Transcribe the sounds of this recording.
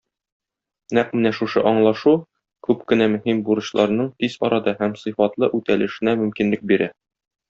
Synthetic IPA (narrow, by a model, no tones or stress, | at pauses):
næq̚mɘ̆næʃuʃɤʔɒɴlˠɑʃu | kʉpkɘ̆næmɵ̆himbuɾɤ̆ɕlˠʔɑɾnɤɴt̪iz̥ɒɾɑd̪ɑhæmsɤ̆jfɑt̪lˠɤʔʉt̪ælɘ̆ʃɘ̆næmɵ̆mkinlɘk̚biɾæ